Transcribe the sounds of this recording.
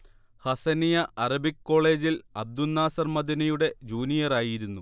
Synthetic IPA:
hɐsɐnijɐʔɐrɐbikːo̞ːɭe̞ːd͡ʑilɐb̚d̪unːaːsɐrmɐd̪inɐjuɽe̞d͡ʑuːnijɐraːjiɾunːu

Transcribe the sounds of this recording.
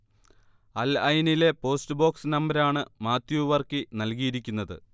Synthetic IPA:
ɐlɐjnile̞po̞ːstɨbo̞ːksnɐmbɐɾaːɳɨmaːt̪juʋɐrkinɐlkijiɾikʲːunːɐðɨ̰

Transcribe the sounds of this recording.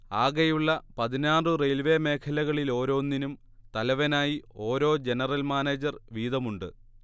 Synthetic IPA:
aːɣɐjuɭːɐpɐðinaːɳrɨrelʋeme̞ːkʰɐlɐɣɐɭilo̞ːɾo̞ːnːinum | t̪ɐlɐʋɐnaːjio̞ːɾo̞ːd͡ʑe̞nɐrɐlmaːneːd͡ʑɐrʋiːðɐmuɳɖɨ

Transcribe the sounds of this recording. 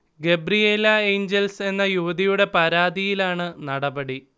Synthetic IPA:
ɡe̞bɾijeːlɐe̞ːɲd͡ʑelse̞nːɐjuʋɐðijuɽe̞pɐɾaːd̪ijilaːɳɨnɐɽɐbɐɽi

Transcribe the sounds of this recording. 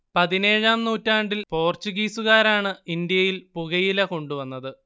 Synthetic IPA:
pɐðine̞ːɻaːmnuːtːaːɳɖilpo̞ːrt͡ɕuɣiːsuɣaːɾaːɳɨind̪jɐjilpuɣɐjilɐko̞ɳɖuʋɐnːɐðɨ

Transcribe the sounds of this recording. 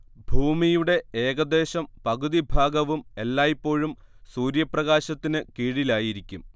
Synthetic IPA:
bʱuːmijuɽe̞eːɡɐd̪e̞ːɕɐmpɐɣuðibʱaːɡɐʋume̞lːaːjipːo̞ːɻumsuːɾjɐprɐɣaːɕɐt̪ːinɨkiːɻilaːjiɾikʲːum

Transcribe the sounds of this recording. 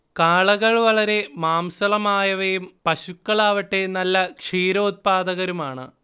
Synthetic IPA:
kaːɭɐɣɐɭʋɐɭɐɾe̞maːmsɐlɐmaːjɐʋɐjumpɐɕukːɐɭaːʋɐʈːe̞nɐlːɐkʂiːɾɐut̪̚paːd̪ɐɣɐɾumaːɳɨ̰

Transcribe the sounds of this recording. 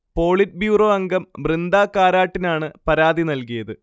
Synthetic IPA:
po̞ːɭit̚bjuːro̞ːɐŋɡɐmbrind̪aːkaːɾaːʈːinaːɳɨpɐɾaːðinɐlkijɐðɨ

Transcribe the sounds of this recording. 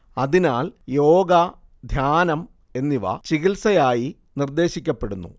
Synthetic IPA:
ɐðinaːljo̞ːɡɐ | d̪ʱjaːnɐm | e̞nːiʋɐ̰t͡ɕiɣilsɐjaːji | nird̪e̞ːɕikʲːɐpːe̞ɽunːṵ

